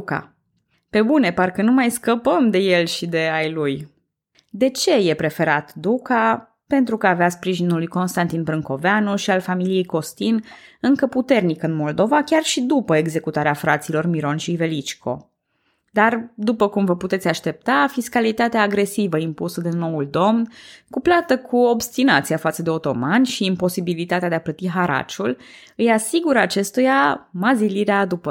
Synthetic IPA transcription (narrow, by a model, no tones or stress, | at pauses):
ka̰ | pe̞bune̞parkənumajskəpəmd̪e̞je̞lʃid̪e̞ajluj | d̪e̞t͡ʃe̞je̞pɾe̞fe̞ɾat̪d̪uka | pe̞nt̪ɾukəaːveaspɾiʒinulːujko̞nst̪ant̪inpɾɨŋko̞veanuʃialfamilije̞jko̞st̪inɨŋkəput̪e̞rnikɨnmo̞ld̪o̞vakʲarʃid̪upəe̞ɡze̞kut̪aɾeafɾat̪silo̞rmiɾo̞nʃive̞lit͡ʃkʰo̞̰ | d̪ard̪upəkumvəput̪e̞t̪sʲaʃt̪e̞p̚t̪afiskalit̪at̪eaːɡɾe̞sivəimpusəd̪eno̞uld̪o̞mnkuplat̪əkʰuobst̪inat̪sijafat̪səd̪eo̞t̪o̞manʲʃiːmpo̞sibilit̪at̪ead̪eaplət̪iɦaɾa̰t͡ʃul | ɨjasiɡuɾəat͡ʃe̞st̪ujamaziliɾead̪upə